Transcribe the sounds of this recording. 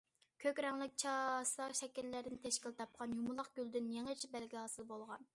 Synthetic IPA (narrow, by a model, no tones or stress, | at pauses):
kʲʰøkʲɾɛŋlˠɪk̚ʲt͡ʃʰɑsˠɑʃɛkʲilːæɾd̪ɪnɪt̪ʰɛʃkʲilt̪ʰɑp̚qʰɑnjumʊlˠɑχɡ̥ʲyld̪ɪnjeŋət͡ʃʰibɛlɡʲihɑːsɨlˠbolˠʁɑn